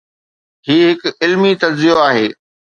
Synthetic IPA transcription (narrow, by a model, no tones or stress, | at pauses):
ɦiːɦɪkɪlmit̪ɐɾzijoaːɦeː